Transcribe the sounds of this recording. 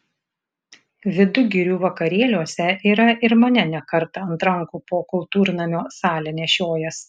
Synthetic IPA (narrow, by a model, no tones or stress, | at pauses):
ʋʲɪd̪ʊɡʲɪɾʲuːʋɐkɐɾʲeːlʲuɔsʲɛʔiːɾɐɪɾmɐnʲɛnʲɛkɐɾt̪ɐɐnt̪ɾɐŋkuːpoːkʊlˠˑt̪uːɾnɐmʲoːsɑːlʲɛnʲɛʃʲoːjɛs